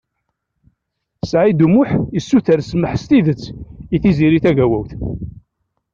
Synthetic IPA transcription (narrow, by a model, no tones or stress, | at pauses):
sʕid̪umʊħisːuθəɾsməħst̪iðət͡sːiθiziɾiθæʝæwæwθ